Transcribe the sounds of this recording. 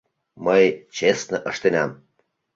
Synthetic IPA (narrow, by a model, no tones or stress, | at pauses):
məjt͡ɕesnəʔəʃt̪enɑm